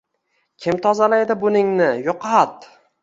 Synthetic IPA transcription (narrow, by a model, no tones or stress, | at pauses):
kʲʰɪmt̪ʰɒzalajd̪ɪbʊnɪŋnɪjoqʰat̪